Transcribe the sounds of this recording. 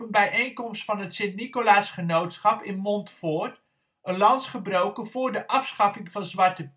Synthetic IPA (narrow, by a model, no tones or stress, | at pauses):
ənbɛjʔejnkɔmstfɑnɦətsɪntnikolaːsχənowtsχɑpɪnmɔntfʊːɹt | ənlɑnsχəbrowkənvʊːɹdəʔɑfsχɑfɪŋvɑnzʋɑɹtə